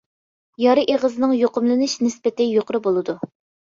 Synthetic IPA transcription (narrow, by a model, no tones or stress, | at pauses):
jɑɾɨʔeʁəzɨnɨŋjoqʊmlˠɨnɨʃnɪspɪt̪ɪjoqʰɾɨbolˠɨd̪u